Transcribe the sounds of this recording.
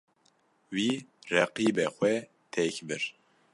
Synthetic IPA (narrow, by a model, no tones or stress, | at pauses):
wiːrɛqiːbɛxʷɛ | t̪ʰɛkbɨɾ